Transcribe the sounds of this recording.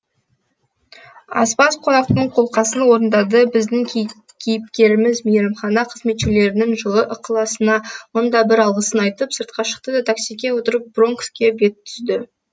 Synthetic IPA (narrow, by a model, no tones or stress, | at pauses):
ɑ̰spɑsqʰo̞nɑq̚t̪əɴqʰo̞lˠqɑsənwo̞ɾənd̪ɑd̪əbɪzd̪ɪŋʲ | kʲʰejɪp̚kʲe̞ɾɪmɪzmijɾɑmχɑnɑqʰəzme̞t̪ʃele̞ɾɪnɪŋʒəlˠəʔəqəlˠɑsənɑmond̪ɑbɪɾɑlˠʁəsənɑjt̪əpsəɾt̪̚qɑʃə̥q̚t̪əd̪ɑt̪ʰaksijkʲe̞wo̞t̪əɾəp̚bro̞ŋkskʲe̞be̞t̪ʰːʏzd̪ɪ